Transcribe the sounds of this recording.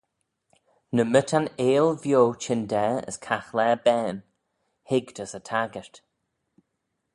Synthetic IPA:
nəmətʰaneːlvjoːt͡ʃʰɪndɛːə̰skʰaxlɛːbɛːn | hɪɡd̪əsətʰaɡəɹt

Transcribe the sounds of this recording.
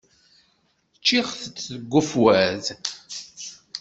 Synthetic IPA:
t͡ʃːiʁθət͡sːəɡʷːʊfwæz

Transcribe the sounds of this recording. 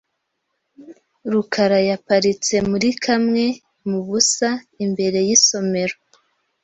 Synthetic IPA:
ɾukʰaɾajapaɾit͡se̞muɾikʰamŋe̞ | muβusa | imbe̞ɾe̞jiso̞me̞ɾo

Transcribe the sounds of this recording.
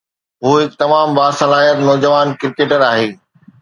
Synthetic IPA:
ɦuːɦɪk̚t̪ɐmaːmbaːsɐlaːɦijət̪nɔːd͡ʑəʋaːnkɪɾɪkeːʈəɾaːɦeː

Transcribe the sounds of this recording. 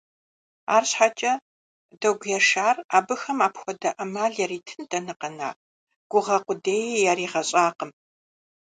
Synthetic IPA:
a̰ːrɕħat͡ʃʼɐ | dɐɡʷjɛʂaːraːbɨxɐmaːpxʷɔdɐʔɐmaːɮjɛɾiːtʰɨndɐnɨqɐna̰ː | ɡ̥ʷʊʁɐqʷʊdeːjjɛriːʁɐɕʼaːqəm

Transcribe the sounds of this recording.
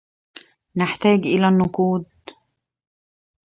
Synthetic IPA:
nɪħt̪æːɡʔɪlænːʊquːd̪̚

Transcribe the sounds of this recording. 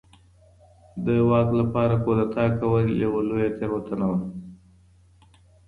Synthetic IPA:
d̪əwɑklapɑɾakod̪at̪ɑkawəljawalojat̪eɣot̪ənawa

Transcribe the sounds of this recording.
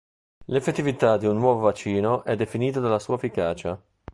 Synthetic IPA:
lefːet̪ːivit̪ad̪iunːwɔːvovat͡ʃːiːnoʔɛd̪ːefiniːt̪ad̪alːasuːaefikaːt͡ʃa

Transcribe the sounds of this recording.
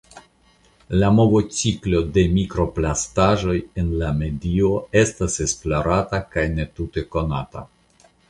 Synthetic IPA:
lamo̞vo̞t͡siklo̞de̞mikɾo̞plastaʒo̞je̞nlame̞dio̞e̞stase̞sploɾatakajne̞tute̞ko̞nata̰

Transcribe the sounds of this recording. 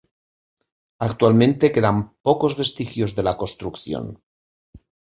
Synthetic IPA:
akt̪walmẽ̞nt̪e̞ke̞ðampoko̞zβe̞st̪ixjo̞zðe̞lakost̪ɾukθjo̰n

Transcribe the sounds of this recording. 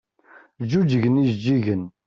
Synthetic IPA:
d͡ʒud͡ʒəʝənizd͡ʒːiʝən

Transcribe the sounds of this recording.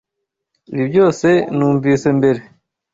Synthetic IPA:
libɟo̞ːse̞nuːɱviːse̞mbe̞ɾe̞

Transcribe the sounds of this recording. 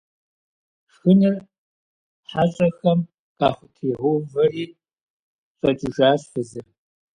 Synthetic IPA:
ʂxɨnɨr | ħaɕʼɐxɐm | qʼɑːχʷʊtʰiːʁʷʊvɐriː | fʼɐd͡ʒʼɪʒaːɕfɨzɨr

